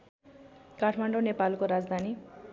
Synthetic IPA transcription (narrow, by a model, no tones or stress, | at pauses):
kaʈʰmaɳɖonepalkoɾad͡zd̪ʱani